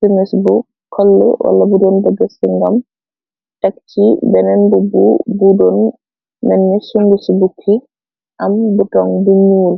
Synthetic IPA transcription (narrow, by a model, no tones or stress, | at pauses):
simɛsbɔ | kʰɔlːɛ̰wa̰lːabudɔnbɛɡasiŋɡam | takt͡ʃibɛnɛnbubṵbudɔnː | ɛnːisuŋɡusibukʰːi | ʔambuɡaŋbuɲuːl